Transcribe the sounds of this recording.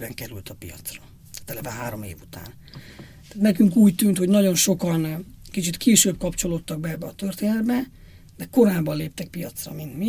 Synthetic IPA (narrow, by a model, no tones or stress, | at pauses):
bɛŋkɛɾylt̪ʰɒpijɒ̰t̪srɒ | aːt̪ɛlɛvaɦaːɾo̞mḛːvut̪a̰ːn | t̪aːt̪nɛkyŋkuːct̪ynt̪ho̞ɟnɒɟo̞nʃo̞kɒnkit͡ʃit̪kʰeːʃøːb̚kɒpt͡ʃo̞lo̞t̪ːɒɡ̚bɛɛbːɛɒt̪ørt̪eːnɛd̪bɛ | d̪̥ɛko̞ɾaːbːɒnleːp̚t̪ɛk̚pijɒt̪srɒ̰mint̪mi